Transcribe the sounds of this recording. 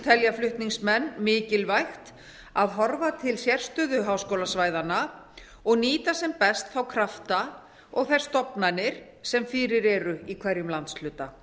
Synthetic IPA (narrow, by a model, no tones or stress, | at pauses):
t̪ʰɛljaflʏht̪niŋsmɛnːmɪːcɪlvajxt̪ | aðɦɔɾvat̪ʰɪlsjɛr̥st̪œðʏɦaːwskowlasvaːjðana | ɔɣniːt̪asɛmpɛst̪θawkʰɾaft̪a | ɔɣθajɾ̥st̪ɔpnanɪɾ̥ | sɛmfɪːɾɪɾɛɾʏikʰvɛɾjʏmlant̪slʏːt̪a